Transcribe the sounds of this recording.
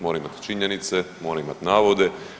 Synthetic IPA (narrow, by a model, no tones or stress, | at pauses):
moɾaimat̪t͡ʃiɲenit̪semo̞ːɾaimat̪naːʋo̞d̪e̞